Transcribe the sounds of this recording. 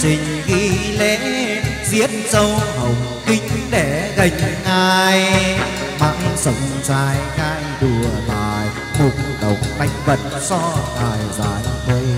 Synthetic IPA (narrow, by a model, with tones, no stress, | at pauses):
sï˨˩ŋ̟ɣi˧le˧˨˦zi˧˥ət̚zə˧whə˨˩wŋ͡m | ki˧˦ŋ̟ɗe˧˩ɣə˨˧˩jŋ̟ŋaː˧j | ma˧˥ŋsə˧˩wŋ͡mzaː˧jxaː˧jɗɨ˨˩əɓaː˨˩j | mʊ˨˩k͡p̚ɗə˨˩wk͡p̚na˧˦jŋ̟və̰˧˨t̚sɔ˧t̪aː˨˩jzaː˨˦jt̪u˧˩